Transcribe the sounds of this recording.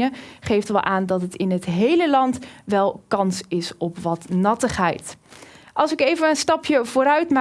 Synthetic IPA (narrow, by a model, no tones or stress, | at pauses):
əχejftʋɛlˠʔaːndɑtətɪnɦətɦejləlɑntʋɛlˠkɑnsɪsɔpʋɑtnɑtəχɦɛ̰jt | ɑlˠsɪkejvənənstɑpʰjəv̥ʊːɾœɥtma